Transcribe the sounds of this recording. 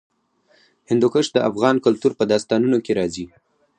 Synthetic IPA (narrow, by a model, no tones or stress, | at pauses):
hɪnd̪ukəʃd̪əafɣɑnkʊlt̪uɾpəd̪ɑst̪ɑnunokeɾɑzi